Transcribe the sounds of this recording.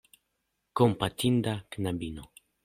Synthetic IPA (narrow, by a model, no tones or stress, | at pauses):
kompat̪ind̪aknabino